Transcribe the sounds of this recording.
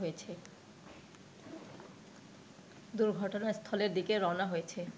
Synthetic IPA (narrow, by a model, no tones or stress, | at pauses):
ɦojet͡ɕʰe | d̪uɾɡʱɔʈonaest̪ʰɔleɾd̪ikeɾɔnaɦojet͡ɕʰe